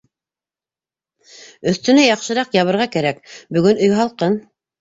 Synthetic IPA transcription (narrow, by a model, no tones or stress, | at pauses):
ɵ̆θt̪ɵ̆næjɑqʃɤ̆ɾɑqjɑβɤ̆ɾʁɑkæɾækbɵ̆ɡɵnɵ̆jɦɑlˠqɤn